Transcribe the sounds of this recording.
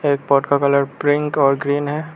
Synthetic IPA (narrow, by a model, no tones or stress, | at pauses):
eːk̚pɔːʈkakɐləɾpɾɪ̃ŋkɔːɾɡɾiːnɦɛː